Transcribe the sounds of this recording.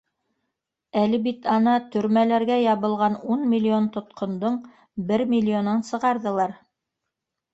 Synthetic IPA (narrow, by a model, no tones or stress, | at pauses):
ælɘbit̪ɑnɑt̪ɵ̆ɾmælæɾɡæjɑβɤ̆lˠʁɑnunmʲilʲːio̞nt̪ŏt̪qŏnd̪oɴ | bɘɾmʲilʲːio̞nɑnsɤ̆ʁɑɾðɤ̆lˠɑɾ